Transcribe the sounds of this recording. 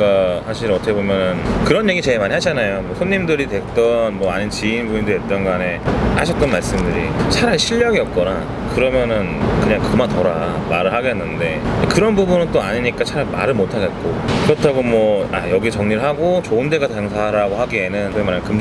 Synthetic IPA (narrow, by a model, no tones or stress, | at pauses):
ɡasʰaɕʰiɾɯʌtʰʌkʰebomjʌnɯnkɯɾʌnje̞ɡit͡ɕe̞emaɲiɦad͡ʑanajomwʌsʰoɲːimdɯɾitwe̞k̚t͈ʌnmwʌaɲint͡ɕiinbuɲindɯet̚t͈ʌnɡane̞a̰ɕʰʌk̚t͈ʌnmaɭs͈ɯmdɯɾḭt͡ɕʰaɾaɭɕʰiʎːjʌɡiʌt̚k͈ʌna | kɯɾʌmjʌnɯnkɯɲaŋkɯɯmantʌɾamaɾɯɭɦaɡenːɯnde̞̰kɯɾʌnbubunɯnt͈oaɲiɲik͈at͡ɕʰaɾama̰ɾɯɭmotʰaɡe̞t̚k͈okɯɾʌtʰaɡomwʌa̰jʌɡit͡ɕʌŋɲiɾɭɦaɡot͡ɕoɯnde̞ɡataŋsʰaɾaɡoɦaɡienɯnkɯmanankɯm